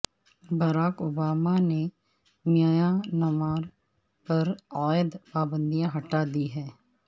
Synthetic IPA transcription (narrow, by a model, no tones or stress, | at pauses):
bɐɾaːkoːbaːmane | njaːjanɐmaːɾ | pɐɾaːjəd̪paːbə̃nd̪ijãɦɐʈad̪iɦɛː